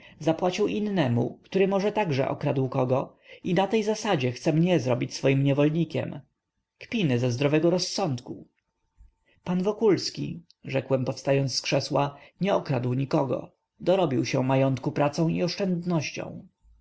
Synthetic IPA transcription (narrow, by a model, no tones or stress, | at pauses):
zapwat͡ɕiwʔinːɛmṵkt̪uɾɘmɔʐɛt̪aɡʐɛ̰ʔɔ̰kɾad̪wkɔɡɔ | inat̪ɛjzasad͡ʑɛxt̪sɛmɲɛzɾɔbʲit͡ɕsfɔjimɲɛvɔlɲikʲɛ̰m | kpʲinɘzɛzd̪ɾɔvɛɡɔɾɔsːɔnt̪ku | panvɔkulskʲḭ | ʐɛkwɛmpɔfst̪ajɔnt̪skʂɛswaɲɛɔkɾad̪wɲikɔɡɔ̰ | d̪ɔɾɔbʲiwɕɛmajɔnt̪kupɾat̪sɔ̃w̃iɔʂt͡ʂɛnd̪nɔɕt͡ɕɔ̰̃w̃